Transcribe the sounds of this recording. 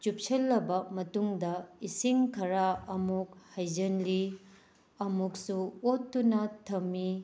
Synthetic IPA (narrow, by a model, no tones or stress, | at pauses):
t͡ʃup̚sɐlːɐbɐmɐtuŋdɐisiŋkʰɐɾaɐmuk̚hɐjd͡ʒɐnli | ɐmuksuotːunɐtʰɐmːi